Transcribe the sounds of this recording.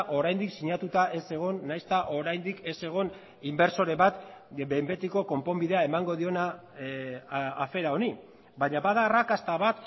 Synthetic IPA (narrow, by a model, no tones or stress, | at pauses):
ʔo̞ɾajnd̪iksiɲat̪ut̪aʔe̞se̞ɣ̞o̞nːajst̪aʔo̞ɾajnd̪ike̞se̞ɣ̞o̞n | imbe̞ɾso̞ɾe̞βat̪bembe̞t̪iko̞ko̞mpo̞mbiðe̞ae̞maŋɡo̞ðio̞na | afe̞ɾao̞ni | baɲaβaðaːrakast̪aβat̪